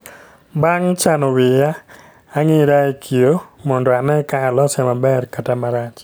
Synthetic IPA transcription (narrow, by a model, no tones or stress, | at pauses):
baŋt͡ʃanɔwɪjaː | ŋɪɾaekʰijomɔndɔanɛkaːlɔsɛmabɛrkatamaɾat͡ʃ